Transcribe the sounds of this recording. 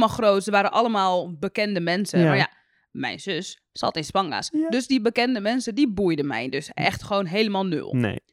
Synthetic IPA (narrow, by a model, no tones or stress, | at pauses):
malˠxroːtsəʋaːɾənʔaləmaːlˠbəkɛndəmɛnsəmaja̰ | mɛ̰jnzøsː | a̰tɪnspaŋa̰sdøsdibəkɛndəmɛnsədibujdəmɛ̰jndøsʔɛ̰xtχəʋoːnɦeːləmalˠnø̰lˠnḛ